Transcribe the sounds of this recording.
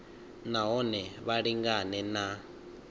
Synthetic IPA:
naɦɔnɛβaɺiŋɡanɛna

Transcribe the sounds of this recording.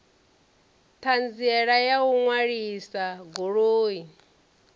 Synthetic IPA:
t̪ʰand͡ziɛɺajauŋwaɺisaɡoɺoːi

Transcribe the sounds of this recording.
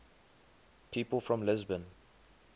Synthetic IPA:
pʰiːpəlˠfɹɔ̃mlɪzbə̃n

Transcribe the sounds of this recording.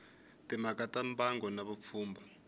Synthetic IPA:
timakatambaŋɡɔnaβup̪fuːmba

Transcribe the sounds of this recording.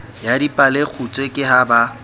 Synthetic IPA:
jadipʼalek͡xʰut͡sʼwekʼɪɦaba

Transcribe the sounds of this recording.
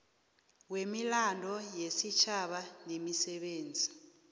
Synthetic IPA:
wemilandʱɔjesit͡ʃʰaɓanemisɛɓeːnd͡zʱi

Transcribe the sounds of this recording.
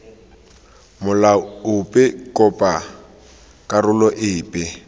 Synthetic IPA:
mʊlaʊpʼɛkʼɔpʼa | kʼarʊlɔʔɪːpʼɛ

